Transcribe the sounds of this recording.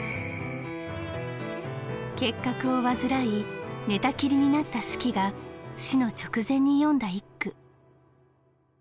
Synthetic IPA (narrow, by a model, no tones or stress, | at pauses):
ke̞kːakɯ̟o̞βazɨɾaine̞t̪akʲiɾʲiɲ̟inat̪ːaɕi̥kʲiɡaɕino̞t͡ɕo̞̥kɯ̟zẽ̞ɲ̟ːijõ̞nd̪aikːɯ̟